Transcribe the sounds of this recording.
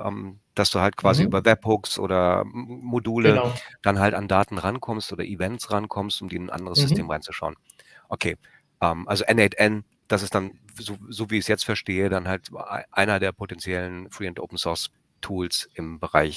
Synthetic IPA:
ʔɛ̰ːmd̥asd̥uːhalt̚kʰv̥aːziʔyːbɐvɛp̚hʊksʔo̰ːdɐmoduːləd̥anɦaltandaːtn̩ʁankʰɔmstʔoːdɐʔivɛntsʁankʰɔmstʊmdiːɪnnʔa̰ndəʁəsz̥ʏstʰeːmʁaɪnt͡suʃaʊən | ʔokʰeː | ʔɛːmʔalzoʔɛnɛtʔɛn | d̥asɪstd̥an | zoːzoːviːɪçsjɛt͡stfɛɐʃteːədanɦaltʔaɪnɐdeːɐpʰotɛnt͡sjɛlənfʁ̥iːɛntʔo̰ʊpn̩sɔɐs | tʰuːlsʔɪmbəʁa̰ɪç

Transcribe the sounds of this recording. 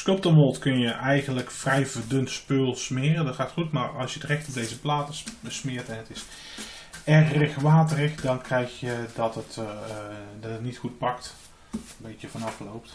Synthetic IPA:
skop̚tənʋolˠtkønjəʔɛjɣənləkfrɛjvərdøntspøːlˠsmɪːrədɔtxaːtxutmarɑ̰lˠsjədrɛxtɔdejzəplaːtəsmɪərtɛnətɪs | ɛxɪxmaːtərɪxdɔnkrɛjxjədɔtət | dɔtətnitxut̚pɑkt | əbejtjəvɔnɑflowp̚t

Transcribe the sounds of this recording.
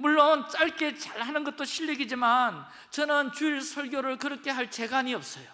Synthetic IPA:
muɭːont͡ɕ͈aɭk͈e̞t͡ɕaɭhanɯnɡʌt̚t͈oɕʰiʎːiɡid͡ʑiman | t͡ɕʌnɯnt͡ɕuiɭsʰʌɭɡjoɾɯɭkɯɾʌkʰe̞ɦaɭt͡ɕe̞ɡaɲiʌp̚s͈ʌjo

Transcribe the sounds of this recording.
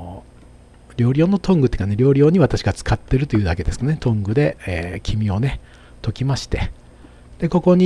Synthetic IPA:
ɾʲo̞ːɾʲo̞ːnot̪õ̞ŋɡɯt̪ːe̥kane̞ɾʲo̞ːɾʲo̞ːɲ̟iβat̪aɕiɡat͡sɨ̥kat̪ːe̞ɾɯ̟t̪ojiɯ̟ːd̪ake̞d̪e̞sɨ̥knet̪õ̞ŋɡɯ̟d̪e̞eːkʲʰimʲio̞ne | t̪o̞kʲimaɕi̥t̪e̞ | d̪̥e̞ko̞ko̞ɲ̟i

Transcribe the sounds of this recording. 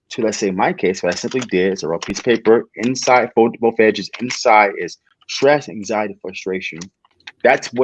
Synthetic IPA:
tʰɨlɨtseɪmaɪkʰeɪsw̥ʌɾaɪsɪ̃mplidɪɾɨzəɹoʊpʰispʰeɪpə˞ɪ̃nsaɪd̥foʊtəbl̩ˠfɛd͡ʒɨzɪ̰̃nsaɪɾɪz̥ | tɹ̥ɛsæ̃ŋzaɪɨɾifɹəstɹ̥eɪʃɨ̃n | ðætsw

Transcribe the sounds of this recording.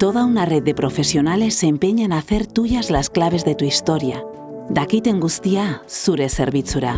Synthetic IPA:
t̪o̞ð̞aunare̞ð̚ðe̞pɾo̞fe̞sio̞nale̞se̞mpeɲanaθe̞ɾt̪uʝazlasklaβ̞e̞zðe̞t̪uist̪o̞ɾia | d̪akit̪e̞ŋɡust̪iasuɾe̞seɾβit͡suɾa

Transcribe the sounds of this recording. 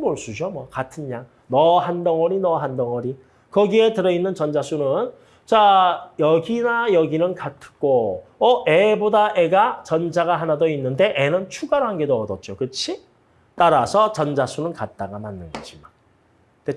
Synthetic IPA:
moɭs͈ud͡ʑomwʌkatʰɯnɲaŋ | nʌɦandʌŋʌɾinʌɦandʌŋʌɾi | kʌɡie̞tɯɾʌinːɯnt͡ɕʌnd͡ʑasʰunɯn | t͡ɕajʌɡinajʌɡinɯnkatʰɯ̥k͈oʌʔebodaʔe̞ɡat͡ɕʌnd͡ʑaɡaɦanadoinːɯnde̞ʔenɯnt͡ɕʰuɡaɾoɦanɡe̞doʌdʌt̚t͡ɕ͈okɯt͡ɕʰi | t͈aɾasʰʌt͡ɕʌnd͡ʑasʰunɯnkat̚t͈aɡamanːɯnɡʌd͡ʑiman | te

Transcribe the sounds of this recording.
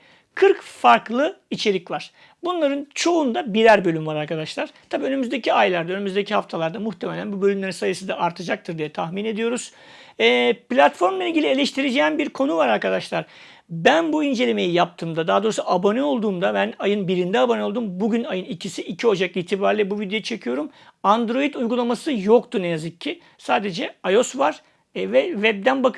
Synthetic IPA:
kʰɯɾkfaɾklˠɯit͡ʃʰe̞ɾʲicvaɾ̥ | bunlˠaɾɯnt͡ʃʰo̞und̪abiɾæɾbølʲymvaɾaɾkʰad̪aʃlˠaɾ̥t̪ʰabiːønymyzd̪e̞cʰiajlˠaɾd̪aønymyzd̪e̞cʰihaft̪ʰalˠaɾd̪amuxt̪ʰemelʲænbubø̞lʲymlʲe̞ɾinsajɯsɯd̪aʔaɾt̪ʰad͡ʒak̚t̪ʰɯɾd̪ijɛt̪ʰahmine̞d̪ijo̞ɾuz̥ | ɛːplʲat̪fo̞ɾmlˠailʲɟʲilʲielʲeʃt̪ʰiɾed͡ʒejmbiɾkʰo̞nuvaɾaɾkad̪aʃlˠaɾ̥ | bænbuind͡ʒelʲeme̞jijap̚t̪ʰɯːmd̪ad̪aːd̪o̞ːɾusuʔabo̞nɛo̞lˠd̪uːmd̪abænajɯnbiɾind̪ɛabo̞nɛo̞lˠd̪uːmbuɟynajɯnicʰisiʔicʰio̞d͡ʒak̚lʲˠiːt̪ʰibaːɾilʲɛbuvid̪jo̞jt͡ʃʰekʰɯjo̞ɾumand̪ɾo̞jit̪ujɡulˠamasɯjokt̪ʰunejazɯcʰːi | saːd̪e̞d͡ʒɛajo̞svaɾ̥ | vɛvɛb̚d̪ænbak

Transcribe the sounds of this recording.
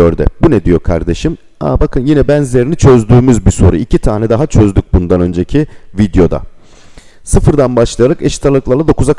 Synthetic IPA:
øɾd̪ɛ̰bunɛd̪ijo̞kʰa̰ɾd̪e̞ʃim | a̰bakʰɯnjinɛbænzlʲe̞ɾinit͡ʃʰø̞zd̪yːmyzbiso̞̰ɾuicʰit̪ʰaːnɛd̪aɦat͡ʃʰø̞zd̪yc̚bund̪anø̞nd͡ʒecʰivid̪jo̞d̪a̰ | sɯfɯɾd̪anbaʃlˠajaɾakeʃi̥t̪ʰalˠɯklˠaɾlˠad̪o̞kʰuzak

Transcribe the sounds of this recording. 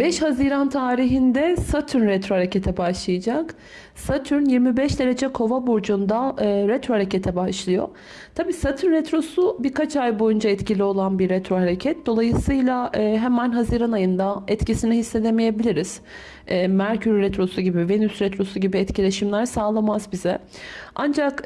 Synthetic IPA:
bɛʃhaziɾant̪ʰaːɾiɦind̪ɛsat̪ʰyɾnɾɛt̪ɾohaɾecʰet̪ʰɛbaʃlˠɯjad͡ʒak | sat̪ʰyɾnjiɾmibɛʃd̪e̞ɾed͡ʒɛkʰo̞vabuɾd͡ʒund̪aːɾɛt̪ɾohaɾecet̪ʰɛbaʃlˠɯjo̞̰ | t̪ʰabiːsat̪ʰyɾnɾɛt̪ɾo̞subiɾkat͡ʃʰajbo̞jund͡ʒaɛt̪cilʲio̞lˠanbiɾɛt̪ɾo̞ɦaɾecʰɛt̪̚d̪o̞lˠajɯsɯjlʲˠaɯːɦɛmænɦaziɾanajɯnd̪aɛt̪cisiniɦisːed̪emeije̞bilʲiɾiz̥ | ɛːmæɾcʰyɾɾɛt̪ɾo̞suɟibivenysɾɛt̪ɾo̞suɟibiɛt̪cilʲe̞ʃimlʲæɾsaːlˠamazbizɛ | and͡ʒak

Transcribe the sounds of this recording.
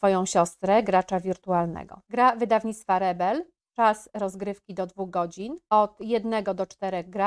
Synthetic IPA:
fɔjɔ̃w̃ɕɔst̪ɾɛɡɾat͡ʂavʲiɾt̪ualnɛ̰ɡɔ̰ɡɾavɘd̪avɲit̪st̪faɾɛbɛl | t͡ʂasɾɔzɡɾɘfkʲid̪ɔd̪vuɣɡɔd͡ʑinɔt̪jɛd̪nɛɡɔd̪ɔt͡ʂt̪ɛɾɛɣɡɾa

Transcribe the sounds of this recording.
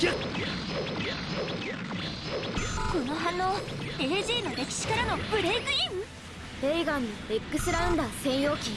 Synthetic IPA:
konoɦanːoːeɾɯ̟ʑiːno̞ɾe̞kʲi̥ɕi̥kaɾano̞bɯ̟ɾe̞ɡɯ̟im | eiɡanːoɾekːɯ̟sɨɾaɯ̃nd̪asẽ̞ɰ̃jo̞ːkʲĩ

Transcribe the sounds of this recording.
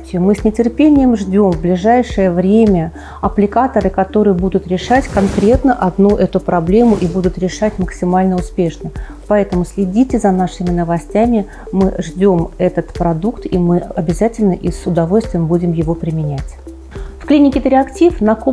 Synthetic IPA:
tʲɪʊmɨsʲnʲɪtʲɪrpʲenʲɪjəmʐdʲo̞mvblʲɪʐajʂɨjəvɾʲemʲə | ɐplʲɪkat̪əɾɨkɐt̪o̞ɾɨjəbud̪ʊt̪ɾʲɪʂatʲkɐnkɾʲe̞t̪nəʔɐd̪nuʔɛt̪ʊpɾʔɐblʲe̞mʊʔibud̪ʊt̪ɾʲɪʂatʲməksʲɪmalʲnəʊspʲe̞ʂnə | pɐɛt̪əmʊsʲlʲɪdʲitʲɪzɐnaʂɨmʲɪnəvɐsʲtʲæmʲɪ | mɨʐdʲo̞mɛt̪ət̪pɾɐd̪ukt̪imɨɐbʲɪzatʲɪlʲnəʔisʊd̪ɐvo̞lʲst̪vɪjəmbudʲɪmjɪvopɾʲɪmʲɪnʲætʲ | fklʲinʲɪkʲɪt̪ɾʲɪɐktʲifnɐko

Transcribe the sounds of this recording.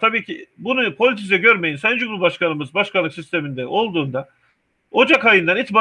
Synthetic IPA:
t̪ʰabiːcʰibunupʰo̞lʲit̪ʰis̬ɛɟøɾme̞jinsænd͡ʒumɾubaʃkʰanɯmɯzbaʃkʰanlːˠɯksist̪ʰe̞mind̪ɛʔo̞lˠd̪uːnd̪a | o̞d͡ʒakajɯnd̪anit̪ʰba

